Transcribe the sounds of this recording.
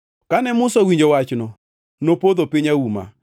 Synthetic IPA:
kanɛmʊsɔwiɲd͡ʒowat͡ʃnɔ | nopod̪opɪɲauma̰

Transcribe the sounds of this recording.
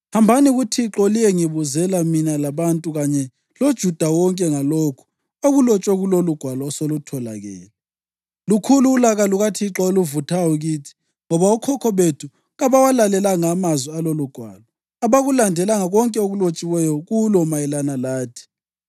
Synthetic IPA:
hambʱaniɣutʰiǁɔlijɛŋiβuzɛlaminalaβantʼuɣaɲɛ | lod̥ʒ̥ʱud̥ʱawɔŋkʼɛŋalokʰu̥ | oɣulɔt͡ʃʼwɛɣuloluɡ̥ʱwalɔːsolutʰɔla̰ɣɛ̰ːlɛ | lukʰuluːlaɣaluɣatʰiǁɔoluvutʰawuɣiːtʰi̥ | ŋɔβaukʰɔkʰɔβetʰu | ɣaβawalalɛlaŋamazwialoluɡ̥ʱwa̰ːlɔ | aβaɣulandʱɛlaŋaɣɔŋkʼɛoɣulot͡ʃʼiwɛjɔɣulɔmajɛlanalaːtʰi̥

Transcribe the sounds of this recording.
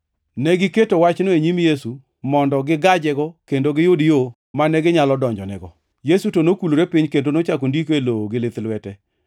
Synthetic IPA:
nɛɡɪketowat͡ʃnoeɲimjesu | mɔndɔɡɪɡad͡ʒɛɡɔkendoɡɪjodjo | manɛɡɪɲalɔdɔɲd͡ʒɔnɛ̰ɡɔ | jesutonokuloɾepiɲkendonot͡ʃakondikeloɡɪlɪt̪lwɛtɛ

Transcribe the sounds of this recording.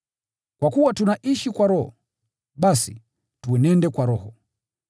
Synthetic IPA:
kwakuwatunaʔiʃikwaɾɔhɔ̰ | ɓasḭ | tuɛnɛndɛkwaɾɔhɔ

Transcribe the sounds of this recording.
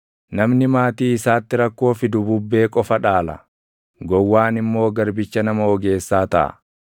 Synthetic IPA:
nɐmnɪmaːt̪iːɪsaːt̪ːɪɾɐkːo̞ːfɪd̪ʊbʊbːe̞ːkʼɔfɐᶑaːlɐ̰ | ɡɔwːaːnɪmːo̞ːɡɐɾbɪt͡ʃːɐnɐmɐɔɡe̞ːsːaːt̪ɐ̰ʔɐ̰

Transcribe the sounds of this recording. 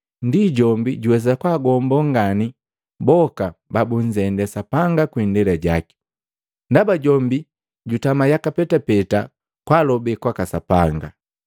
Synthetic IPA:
ndiɟɔmbiɟuwɛzakwaːɡɔmbɔŋɡani | bɔkababuɲd͡ʒɛndɛsapaŋɡakwindɛlɛɟaki̥ | ndabaɟɔmbi | ɟutamajakapɛtapɛta | kwaːlɔbɛkwakasapaŋɡa̰

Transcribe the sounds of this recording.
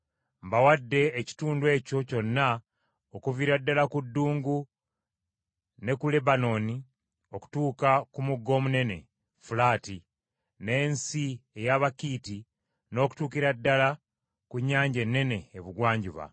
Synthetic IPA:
mbawadːe̞ːci̥tuːndwe̞ːco̞co̞nːa | okuviɾadːalakudːuːŋɡu | ne̞kule̞bano̞ni | o̞ku̥tuːkakumuɡːo̞ːmune̞ne̞̰ | fulaːti | ne̞ːnsie̞jaβakiːti | no̞ːku̥tuːkiɾadːala | kuɲːaːɲɟe̞nːe̞ne̞ːβuɡwaːɲɟuβa̰

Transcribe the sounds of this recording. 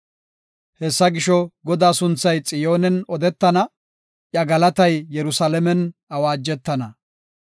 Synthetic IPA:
hɛsːɐɡɪʃɔɡɔd̪aːsʊnt͡sːɐjt͡sʼɪjo̞ːnɛnɔd̪ɛt̪ːɐnɐ | ʔjɐɡɐlɐt̪ɐjːɛɾʊsalɛmɛnɐwaːd͡ʒːɛt̪ːɐnɐ

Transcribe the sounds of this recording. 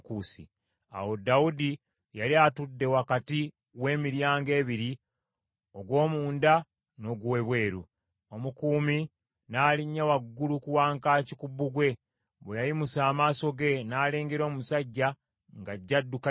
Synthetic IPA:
kusḭ | a̰wo̞dawudi | jaɾiatudːe̞wakati | we̞ːmiɾjaːŋɡe̞ːβiɾi | o̞ɡwo̞ːmuːnda | no̞ɡwweβwe̞ːɾu | omukuːmi | naːliɲːawaɡːulukuwaːŋkaːcikubuɡwe̞ | βejajimusaːmaːso̞ɡe̞naːle̞ːŋɡeɾo̞ːmumusaɟːa | ŋɡaɟːadːuk

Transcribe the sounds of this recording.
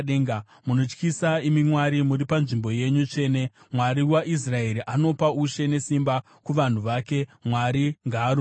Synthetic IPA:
ɗeːŋɡa | muno̞t͡ʃkisaimimwaɾimuɾipanʐimbo̞je̞ɲut͡ʂe̞ːne̞ | mwaɾiwaʔis̬rae̞ɾiʔano̞pauʃe̞ne̞simba | kuʋan̤uʋaːke̞mwaɾiŋɡaːɾ

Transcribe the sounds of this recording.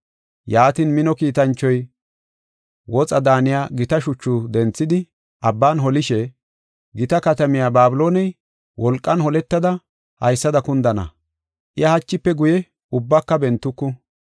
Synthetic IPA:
jaːt̪iːnmɪnɔkiːt̪ɐnt͡ʃːɔj | wɔt͡sʼɐd̪aːnɪjaːɡɪt̪ɐʃʊt͡ʃːʊd̪ɛnt͡sːɪd̪ɪ | ʔɐbːaːnɦɔlɪʃɛ | ɡɪt̪ɐkɐt̪ɐmɪjaːbaːbɪloːnɛj | wɔlkʼːɐnhɔlɛt̪ːɐd̪ɐ | hɐ̰jsːɐd̪ɐkʊnd̪ɐnɐ̰ | ʔɪɐhɐt͡ʃːɪpːɛɡʊjɛ | ʊbːɐkːɐbɛnt̪ːʊkːʊ

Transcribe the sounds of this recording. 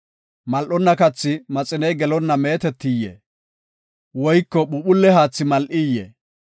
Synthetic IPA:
mɐlʔɔnːɐkɐt͡sːɪmɐt͡sʼɪnɛjɡɛlɔnːɐmeːt̪ɛt̪ːɪjːɛ̰ | wɔjkːɔɓʊɓʊlːɛhaːt͡sːɪmɐlʔɪjːɛ̰

